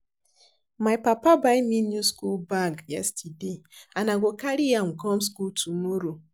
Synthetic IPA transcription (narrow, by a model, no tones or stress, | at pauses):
majpapabaɪminjuskulbaɡjɛ̰stideanaɡokaɾijam̩ɡɔm̩skutʰumoɾo